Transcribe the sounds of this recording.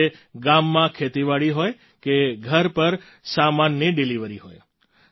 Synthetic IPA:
eɡamːãkʰet̪iʋaɭiɦoj | keɡʱəɾpəɾ | samanːəɖiliʋəɾiɦoj

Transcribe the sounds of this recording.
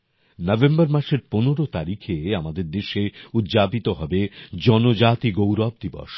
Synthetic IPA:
nɔbembaɾmaʃeɾponoɾot̪aɾikʰeamad̪eɾd̪eʃeud̪d͡ʑapit̪oɦɔbed͡ʑɔnod͡ʑat̪iɡowɾɔb̚d̪ibɔ̰ʃ

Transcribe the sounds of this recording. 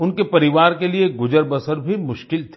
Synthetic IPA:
ʊnkepɐɾɪʋaːɾkelieɡʊd͡ʒəɾbəsəɾbʱimʊʃkɪlt̪ʰ

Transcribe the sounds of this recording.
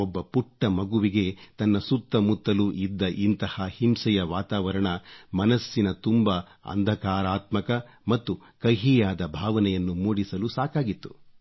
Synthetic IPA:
ɔbːɐpuʈːɐmɐɡuʋiɡe̞t̪ɐnːɐsut̪ːɐmut̪ːɐluʔid̪ːɐʔint̪ɐhɐhimsɛjɐʋaːt̪aːʋɐɾɐɳɐmɐnɐsːinɐt̪umbɐ | ɐ̰nd̪ʱɐkaːɾaːt̪mɐkɐ | mɐt̪ːu | kɐjɦijaːd̪ɐbʱaːʋɐnɛjɐnːumoːɽisɐlusaːkaːɡit̪ːu̥

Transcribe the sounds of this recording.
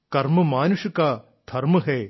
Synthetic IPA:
kɐɾməmaːnuɕjɐka | d̪̥ʱɐɾməɦɛː

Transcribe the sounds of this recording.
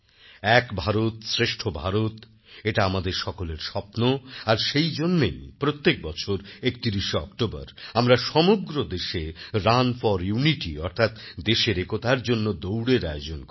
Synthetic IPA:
ɛkbʱaɾot̪sɾeʃʈʰobʱaɾot̪ | eʈaamad̪eɾʃɔkoleɾʃɔpnoaɾʃejd͡ʑonːejpɾot̪ːek̚bɔt͡ɕʰoɾek̚t̪iɾiʃeɔ̰kʈoba̰ɾamɾaʃɔmuɡɾod̪eʃeɾanfɔɾjuniʈḭɔɾt̪ʰat̪d̪eʃeɾekot̪aɾd͡ʑonːod̪owɽeɾa̰jod͡ʑonk

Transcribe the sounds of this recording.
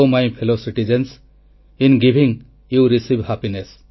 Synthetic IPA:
majpʰelosiʈid͡ʒẽns | ĩnɡibʱĩŋ | juɾisibhapines

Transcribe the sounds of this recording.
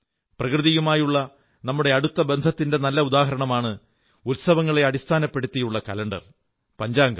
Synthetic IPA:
prɐkrɨðijumaːjuɭːɐ | nɐmːuɽe̞ɐɽut̪ːɐbe̞nd̪ʱɐt̪ːinde̞nɐlːɐud̪aːɦɐɾɐɳɐmaːɳɨ | ulsɐʋɐŋːɐɭe̞ɐɽist̪ʰaːnɐpːe̞ɽut̪ːijuɭːɐkɐlɐɳɖɐ̰r | pɐɲd͡ʑaːŋɡɐ

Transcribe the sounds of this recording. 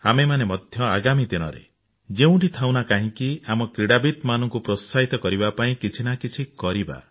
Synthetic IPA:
amemanemɔd̪ʱjɔaɡamid̪inɔ̰ɾḛ | d͡ʒeũɳʈit̪ʰawnakaɦĩkiamɔkɾiɽabit̪manɔŋkupɾɔst̪ʰaɦit̪ɔkɔɾibapaĩkit͡ʃʰinakit͡ʃʰikɔɾiba̰

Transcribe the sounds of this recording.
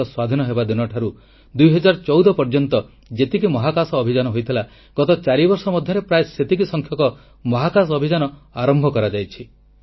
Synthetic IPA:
ɔswad̪ʱinɔɦebad̪inɔʈʰaɾu | d̪ujɦɔd͡ʒaɾɔt͡ʃɔwd̪ɔpɔɾd͡ʒɔnt̪ɔ | d͡ʒet̪ikimɔɦakasɔːbʱid͡ʒanɔɦojt̪ʰila | ɡ̥ɔt̪ɔt͡ʃaɾibɔɾsɔmɔd̪ʱjɔɾepɾajeset̪ik̬isɔŋkʰjɔkɔ | mɔɦakasɔɔbʱid͡ʒanɔaɾɔmbʱɔkɔɾad͡ʒajt͡ʃʰi

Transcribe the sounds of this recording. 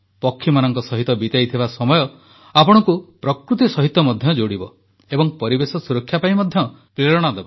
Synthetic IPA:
pɔkʰːimanɔŋkɔsɔɦit̪ɔbit̪ajt̪ʰibasɔmɔjɔ | apɔɽ̃ɔŋkupɾɔkɾut̪isɔɦit̪ːɔmɔd̪ʱjɔd͡ʒoɽibɔ | ebɔŋpɔɾibesɔsuɾɔkʰːjapaĩmɔd̪ʱjɔ | pɾeɽɔɽ̃ad̪ebɔ

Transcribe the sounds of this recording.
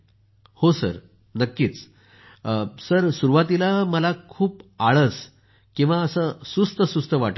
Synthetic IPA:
hosə̰ɾ | nəkːiːt͡s | səɾsuɾuʋat̪ilaməlakʰuːpaɭəs | kĩw̃ʋaəsəsust̪əsust̪əʋaʈə

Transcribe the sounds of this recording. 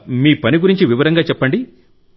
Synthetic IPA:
miːpɐniɡuɾiɲt͡ʃiʋiʋɐɾɐŋɡaːt͡ʃɛpːɐɳɖi

